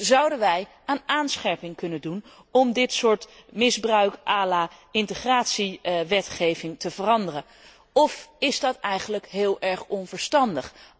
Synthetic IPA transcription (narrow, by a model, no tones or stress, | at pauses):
zɑwdənʋɛj | aːnaːnsχɛɹpɪŋkɵnəndun | ɔmdɪtsʊːɹtmɪzbrœɥkʔaːlaːɪntəχraːtsiʋɛtχejvɪŋtəvərɑndərən | ɔfɪzdɑtɛjχənləkɦɪːlˠɛɹχɔnvəɹstɑndəχ